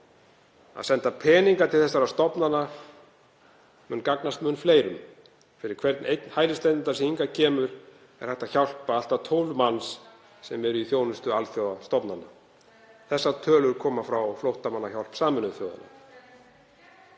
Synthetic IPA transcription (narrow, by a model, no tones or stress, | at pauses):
a̰ðsɛnt̪apʰɛːniŋkat̪ʰɪlθɛsaɾast̪ɔpnana | mʏnkaknast̪mʏnfleːjɾʏm | fɪɾɪɾ̥kʰvɛɾt̪nʔejt̪nhaːjlɪst̪ɛt̪ɪnt̪asiiŋkacʰɛːmʏɾ̥ | ɛ̰ɾ̥hɛht̪açawl̥paal̥t̪at̪ʰowlmansː | ɛmɛɾʏiθjoːwnʏst̪ʏalθjoːwast̪ɔpnana̰ | θɛsːat̪ʰœːlʏɾ̥kʰɔːmafɾawɔflowht̪amanːaçawlpsaːmɛnʏθjoːwða̰na̰